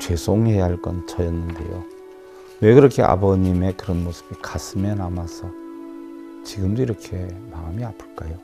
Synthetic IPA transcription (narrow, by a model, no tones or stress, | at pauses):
t͡ɕwe̞sʰoŋhejaɦaɭk͈ʌnt͡ɕʌjʌnːɯnde̞̰jo̰ | we̞kɯɾʌkʰḛʔa̰bʌɲime̞kɯɾʌnmosʰɯ̥bikasʰɯmjʌnamasʰʌ | t͡ɕiɡɯmdoiɾʌkʰe̞maamiapʰɯɭk͈ajo